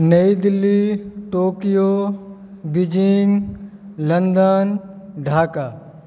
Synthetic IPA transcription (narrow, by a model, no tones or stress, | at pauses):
nɐid̪ɪlːiʈoːkijo | bɪd͡ʒiŋɡ | lɐnd̪ənɖʱaːka